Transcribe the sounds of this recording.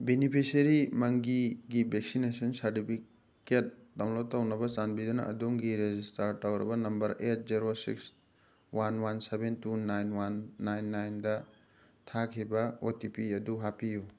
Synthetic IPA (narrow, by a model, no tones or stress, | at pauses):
benipʰiseɾimɐŋɡiɡibʱeksinesɐnsɐɾtipʰi | ket̚dawlotawnɐbɐzanbidunɐ̰ʔɐ̰duŋɡiɾezistɐɾtawɾɐ̰bɐnɐmbɐɾet̚ziɾosḭks | wanwansebentunajnwanːajnːajndɐ | tʰakʰibɐotipiɐduɦapiju